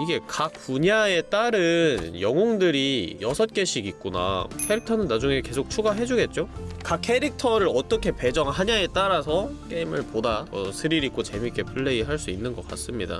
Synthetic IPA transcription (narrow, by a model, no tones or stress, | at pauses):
iɡe̞kak̚puɲae̞t͈aɾɯnjʌŋoŋdɯɾijʌsʰʌt̚k͈e̞ɕʰiɡik͈̚una̰kʰeɾik̚tʰʌnɯnːad͡ʑuŋe̞ke̞sʰok̚t͡ɕʰuɡaɦe̞d͡ʑuɡe̞t̚t͡ɕ͈okakʰe̞ɾik̚tʰʌɾɯɾʌt͈ʌkʰe̞pe̞d͡ʑʌŋɦaɲae̞t͈aɾasʰʌk͈e̞imɯɭpodaʌsʰɯɾiɾik͈ot͡ɕe̞mik͈e̞pʰɯɭːe̞iɦaɭs͈uinːɯnɡʌk͈a̰s͈ɯmɲida̰